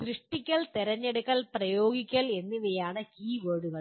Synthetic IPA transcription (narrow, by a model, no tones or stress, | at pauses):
tɾiʂʈːikʲːɐɭt̪eɾɐɲːeɽukːɐɭprɐjoːɡikʲːɐle̞nːiʋejaːɳɨkiːʋɐːɽuɣɐɭ